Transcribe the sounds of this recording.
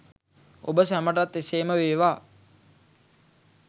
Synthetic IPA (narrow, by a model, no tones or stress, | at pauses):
o̰bəsæməʈ̬at̪ːeseːməʋeːʋaː